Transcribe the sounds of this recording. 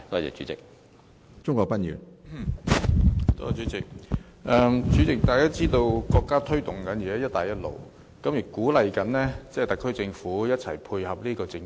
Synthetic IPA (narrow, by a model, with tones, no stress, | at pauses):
t̪ɔː˥t͡sɛ̰ː˨˩t͡ʃy̰˨˦t͡sɪ̰˨k̚ | t͡sʊ˥ŋkʷɔː˧kpɐ˥t̚jy̰ː˨˩n | t̪ɔ˥˨˩t͡ʃy˨˥t͡sɪ˨k̚ | ʔɛ˨mt͡ʃyː˨˥t͡sɪ˨k̚t̪aː˨jkaː˥t͡siː˥t̪o˧wkɔː˧kːaː˥t̪ʰɵ˥ɥt̪ʊ˨˩ŋkɐ˨˥ni˨˩ɛː˨˥jɐ˥t̚t̪aː˨˩jɐ˥t̚lo̰˨˩w | kɐ˨˥mji˨˩kuː˨˥lɐ˨jkɐ˨˥nlɛː˥t͡sɛ˥˨jt̪ɐ˨˩kʰːɵ˥ɥt͡sɪ˧ŋfuː˨˥jɐ˥t̚t͡sʰɐ˨˩jpʰuː˧jhɐ˨p̚li˥kɔː˧t͡sɪ˧ŋ